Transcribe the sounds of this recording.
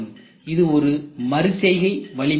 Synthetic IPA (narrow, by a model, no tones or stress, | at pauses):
m | ɪðɯɔɾɯmɐɾɯsɛɪɣɐɪʋɐɭɪ